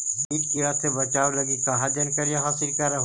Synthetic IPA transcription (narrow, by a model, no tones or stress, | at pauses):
biːʈkiɾaːst̪ebət͡ʃaːoləɡikaɦad͡ʒ̪ənkəɾjaɦaːsɪlkəɾa